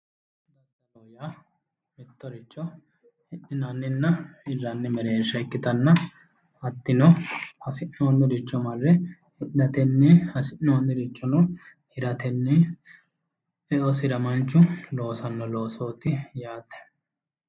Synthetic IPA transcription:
d̪ɐd̪ɐloːjaː | mɪt̪ːɔɾɪt͡ʃːɔ | ɪʔɪnɐnːɪnːɐɪrːɐnːɪmɛɾeːʃɐkːɪt̪ɐnːɐ | ɐt̪ːɪnɔhɐsɪʔːoːnːɪd̪ɪt͡ʃːɔmɐrːɛ | ɪᶑɐt̪ɛnːɪɐsɪnːonːɪd̪ɪt͡ʃːɔnʊ | ɪɾɐt̪ɛnːɪ | ɛʔɔsɪɾɐmɐnt͡ʃːʊlo̞ːsɐnːɔlo̞ːsoːt̪ɪjaːt̪ːɛ̥

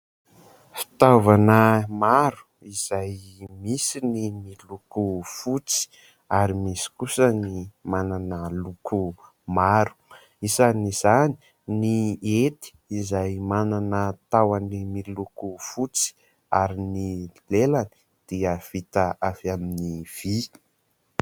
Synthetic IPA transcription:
fi̥t̪avanəmaɾu̥ | iz̥ajmisinimilukufut͡si̥ | aɾimisi̥kusənimananəlukʰu | maɾu̥ | izaniz̥ani̥ | niet̪i̥ːzajmananət̪awanimilukufut͡si̥ | aɾinilelani̥ | d̪̥iəv̥it̪aʔavaminiv̥i

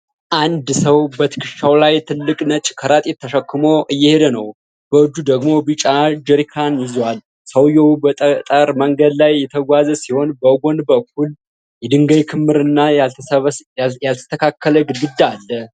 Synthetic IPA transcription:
ʔand̪səwbət̪ʰɨ̥kʰɨʃawlajt̪ʰɨlːɨkʼnət͡ʃʼkʰəɾat̪ʼet̪ʰːəʃəkʰːɨmo̞ʔɨjːɛhed̪ənəw | b̥əɨd͡ʒ̪ːud̪əɡmo̞bɨt͡ʃʼad͡ʒɛɾikʰanjɪzwal | səwjɛubət̪ʼt̪ʼəɾməŋɡəd̪lajːɛt̪ʰəɡʷazəsiho̞nbəɡo̞nbəkʰːul | jɛd̪ɨŋɡəjkʰɨmːɨɾɨnːa | jalt̪ʰə̥t̪ʰəkʰakʰːələɡɨɡɨd̪ːaaːlːə

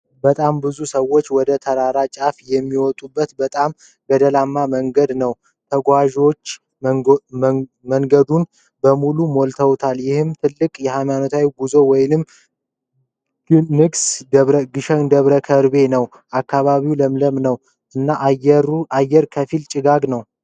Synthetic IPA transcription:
bət̪ʼambɨzusəwːo̞t͡ʃːwɔd̪ət̪ʰəɾaɾat͡ʃʼafjɛmːiwɔt̪ʼubːət̪bət̪ʼam | bəd̪əlamːaməŋɡəd̪nəw | t̪ʰəɡʷaʒo̞t͡ʃː | məŋɡəd̪un | bəmulumolt̪ʰəwt̪ʰaljɪhɨmt̪ʰɨlːɨkʼjɛhajmanot̪ʰawiɡuzo̞wɔjnɨm | nɨɡsɾɡɨʃəŋd̪əβɾəkʰəɾbe̞nəw | ʔakːaβaβiwləmləmnəw | ʔɨnːaʔɾajːɛɾkʰəfilt͡ʃʼɪɡaɡnəw

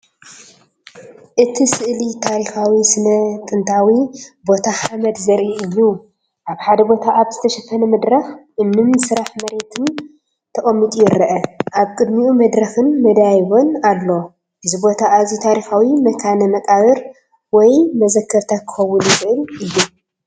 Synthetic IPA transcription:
ʔɨt̪ʰisɨʔlit̪ʰaɾixawisɨnɐt̪ʼɨnt̪ʰawibo̞t̪ʰaħamɐd̪zɐɾʔiʔɨjːu | ʔaβħad̪ɐbo̞t̪ʰaʔaβzɨt̪ʰɐʃɐfʰɐnɐmɐd̪ɾɐxʔɨnːɨmsɨɾaħmɐɾe̞t̪ʰɨn | t̪ʰɐkʼɐmːit̪ʼujɪɾɐʔɐʔaβkʼɨd̪miʔumɐd̪ɾɐxɨnmɐd̪ajβonalːo̞ | ʔɨzɨbo̞t̪ʰaːzit̪ʰaɾixawimɐkʰanɐmɐkʼaβɨɾ | wɔjmɐzɐkʰːɐβt̪ʰakʰɨ̥xɐwːunɪxʼɨʔɨlʔɨjːu

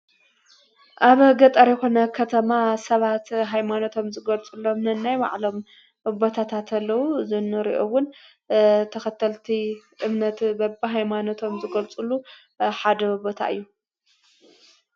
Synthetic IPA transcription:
ʔaβɡɐt̪ʼɐɾjɛxo̞nɐkʰɐt̪ʰɐmasɐβat̪ɦajmanot̪ʰo̞mzɨɡɐlt͡sʼulo̞mnɨnːajwa̰ʕlo̞m | bo̞t̪ʰat̪ʰat̪ʰɐlːɐwuzɨnːɨɾḭʔowʊn | t̪ʰɐxɐt̪ʰːɐlt̪ʰiʔɨmnɐt̪bɐbiɦajmanot̪ʰo̞mzɨɡɐlt͡sʼulu | ħad̪ɐbo̞t̪ʰa̰ʔɨ̰jːu

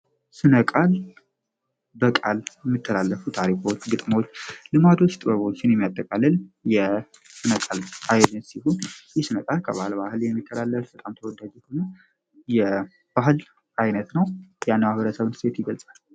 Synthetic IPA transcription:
sɨnəkʼal | bəkʼaljɛmːit̪ʰːəlalːəfut̪ʰaɾikʰwt͡ʃːɡɨt̪ʼməwot͡ʃːlɨmad̪o̞t͡ʃːt̪ʼɨβəβo̞t͡ʃːɪnjɛmːijat̪ʼːəkʼalːɨljɛ | sɨnəkʼalajlnət̪siɦonjɪhsɨnəkʼalkʰəβahɨlbahɨljɛmːit̪ʰːəlalːəfbət̪ʼamt̪ʰəwɔd̪ad͡ʒhonə | jɛ | b̥ahɨl | ʔajnət̪nəwjanːəmahβəɾəsəβnsʰet̪jɪɡəlsʼal

